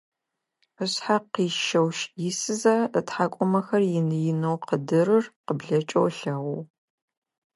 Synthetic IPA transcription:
əɕħaqiːʃɐwʃjɪsɨzɐətħaːkʷʼɔmɐxɐrjɪnɨjɪnowqədɨrɨrqəbɮɐt͡ʃʼowɬɐwow

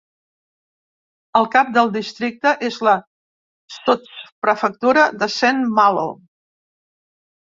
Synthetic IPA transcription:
əlˠkap̚d̪əlˠd̪ist̪ɾik̚t̪əʔezlə | sot͡spɾəfək̚t̪uɾəðəsɛnmalo̰

